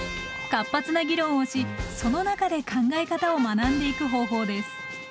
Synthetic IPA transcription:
kapːat͡sɨnaɡʲiɾõ̞ɰ̃o̞ɕiso̞no̞nakad̪e̞kʰãŋɡaekat̪ao̞manãnd̪e̞ikɯ̟ɦo̞ːɦo̞ːd̪e̞sɨ̥

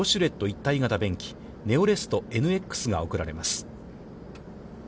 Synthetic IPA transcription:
o̞ɕɨɾe̞t̪ːo̞it̪ːaiɡat̪abẽ̞ŋkʲi̥ | ne̞oɾe̞sɨ̥t̪o̞e̞nɯ̟e̞kːɯ̥sɨɡao̞kɯ̟ɾaɾe̞masɨ̥

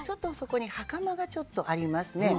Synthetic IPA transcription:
t͡ɕo̞t̪ːo̞so̞ko̞ɲ̟ihakamaɡat͡ɕo̞t̪ːo̞ʔaɾʲimasɨne̞

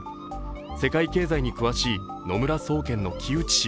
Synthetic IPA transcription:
se̞kaike̞ːzaiɲ̟ikɯ̟βaɕiː | no̞mɯ̟ɾaso̞ːkẽ̞nːo̞kʲʰiɯ̟t͡ɕi̥ɕ

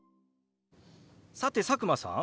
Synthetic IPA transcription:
sat̪e̞sakɯ̟masã̰

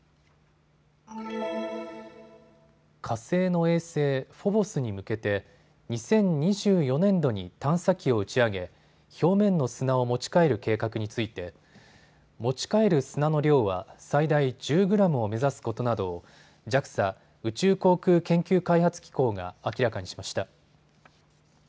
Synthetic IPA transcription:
kʰase̞ːno̞e̞ːse̞ːɸo̞bo̞sɨɲ̟imɯ̟ke̞t̪e̞ | ɲ̟isẽ̞ɲ̟ɲiʑɨːjo̞nẽ̞nd̪o̞ɲ̟it̪ãɰ̃sakʲio̞̟t͡ɕiaɡe̞ | ço̞ːmẽ̞nːo̞sɨnao̞mo̞t͡ɕi̥kae̞ɾɯ̟ke̞ːkakɯ̟ɲ̟it͡sɨit̪e̞ | mo̞t͡ɕi̥kae̞ɾɯ̟sɨnano̞ɾʲjo̞ːβa̰said̪aid͡ʑɨːɡɯ̟ɾamɯ̟o̞me̞zasɨ̥ko̞t̪o̞nad̪o̞ | d͡ʑakɯ̟̥sa | ɯ̟t͡ɕɨːko̞ːkɯ̟ːkẽ̞ŋkʲɨːkaihat͡sɨ̥kʲi̥ko̞ːɡa̰ːkʲiɾakaɲ̟iɕimaɕi̥t̪a

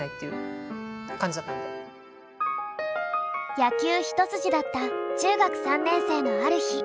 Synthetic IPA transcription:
ait̪ːejɯ̟̰ | kãɲd͡ʑat̪ad̪e | jakʲɨːçi̥t̪o̞t͡sɨʑid̪at̪ːat͡ɕɨːɡakɯ̟̥sãnːẽ̞ɰ̃se̞ːno̞aɾɯ̟çi

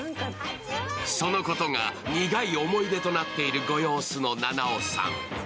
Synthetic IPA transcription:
so̞no̞ko̞t̪oŋaɲʲiɡaio̞mo̞id̪e̞t̪o̞nat̪ːe̞iɾɯ̟ɡo̞jo̞ːsɨno̞nanaosã̰ŋ

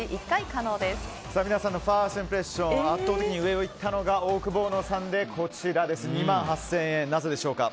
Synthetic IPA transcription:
iʔikːaikano̞ːd̪e̞s | samʲinasãnːo̞ɸaːɕĩmpɯ̟ɾe̞ɕõat̪ːo̞ːt̪e̞kʲiɲiɯ̟e̞o̞it̪ːano̞ɡaoːkɯ̟bo̞ːno̞sãnd̪e̞kʰo̞t͡ɕiɾad̪e̞sɨɲ̟imãɰ̃ɦasːẽ̞ɰ̃ẽ̞nnaze̞d̪e̞ɕo̞ːka̰

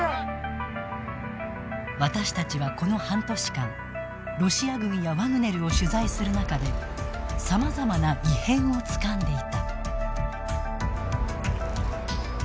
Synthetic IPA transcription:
βat̪aɕi̥t̪at͡ɕiβako̞no̞hãnt̪o̞ɕi̥kãŋ | ɾo̞ɕiaɡɯ̟̃ɰ̃jaβanɯ̟ne̞ɾɯo̞ɕɨzaisɨɾɯ̟nakad̪e̞ | samazamanaihẽ̞ɰ̃o̞t͡sɨ̥kãnd̪e̞it̪a

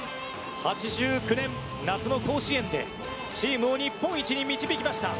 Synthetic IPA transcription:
hat͡ɕiʑɨːkɯ̟nẽ̞n | nat͡sɨno̞ko̞ːɕiẽ̞nd̪e̞̰ | t͡ɕiːmɯ̟o̞ɲ̟ipːõ̞ɰ̃it͡ɕiɲ̟imʲit͡ɕibʲikʲimaɕi̥t̪a̰

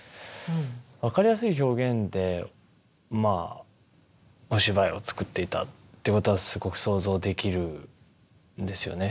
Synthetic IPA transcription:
βakaɾʲijasɨiço̞ːɡẽ̞nd̪e̞ | ma | o̞ɕibaio̞t͡sɨ̥kɯ̟t̪ːe̞it̪a̰ːeko̞t̪o̞βasɨɡo̞kɯ̟̥so̞ːzo̞ːd̪e̞kʲiɾɯ̟ | nd̪e̞sɨjo̞̰ne̞

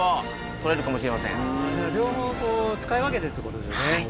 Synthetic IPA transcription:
a | t̪o̞ɾe̞ɾɯ̟kamo̞ɕiɾe̞masẽŋad͡ʑaːɾʲjo̞ːɦõːkoːt͡sɨ̥kaiβak̬e̞t̪e̞t̪oeko̞t̪o̞d̪e̞ɕone

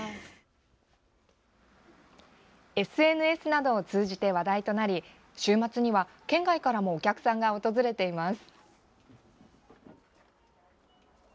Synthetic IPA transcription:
e̞sɨe̞nɯ̟e̞sɨnad̪o̞ːt͡sɨːʑit̪e̞βad̪ait̪o̞naɾʲi | ɕɨːmat͡sɨɲ̟iβa | kẽ̞ŋɡaikaɾamo̞ːkʲakɯ̥sãŋɡao̞t̪o̞zɨɾe̞t̪e̞imasɨ̥

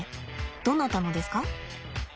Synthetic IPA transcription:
d̪̥õ̞nːat̪anod̪e̞sɨ̥ka

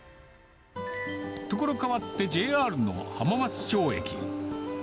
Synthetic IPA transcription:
t̪o̞ko̞ɾo̞kaβat̪ːe̞d͡ʑe̞ːaːɾɯ̟no̰ɡa̰hamamat͡sɨ̥t͡ɕo̞ːe̞̰kʲḭ

